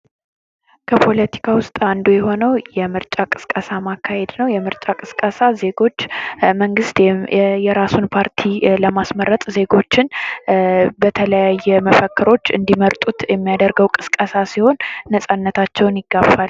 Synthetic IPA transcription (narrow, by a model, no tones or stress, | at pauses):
kʰəpʰo̞lət̪ʰi̥kʰawʊst̪ʼand̪ujɛɦo̞nəwjɛmɨɾt͡ʃʼakʼɨ̥skʼəsamakʰːahe̞d̪nəwjɛmɨɾt͡ʃʼakʼɨskʼəsaze̞ɡo̞t͡ʃːməŋɡɨst̪jɛɾasunpʰaɾt̪ʰiləmasməɾət̪ʼze̞ɡo̞t͡ʃːɪn | bət̪ʰələjajːɛməfəkːɨɾo̞t͡ʃːɨ̰nd̪iməɾt̪ʼut̪jɛmːijad̪əɾɡəwkʼɨskʼəsasiho̞nːəsʼanːət̪ʰat͡ʃːɛwnjɪɡːabal